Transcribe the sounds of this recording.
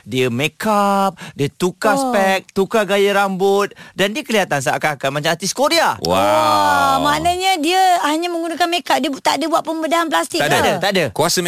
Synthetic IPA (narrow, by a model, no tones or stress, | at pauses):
diəmekap̚diət̪ukaspɛk̚t̪ukaɡajəɾambʊt̪̚dandiəkəliat̪ans̬a̰ʔkakanmat͡ʃamat̪iskoɾiawaɔ | manaɲadiəhaɲamə̃ŋɡunakanmekap̚diət̪aʔdəbuaʔ̪pəmbədaɦanp̬last̪ikaadət̪aʔdəkuasə